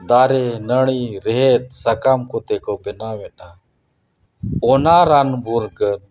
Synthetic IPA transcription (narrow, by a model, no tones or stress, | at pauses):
d̪aːɾenəɳiːɾeɦet̪̚sɐkaːmkʰot̪ekopɛnaːʋɛɗaː | ɔnaːɾaːnbʱuɾkən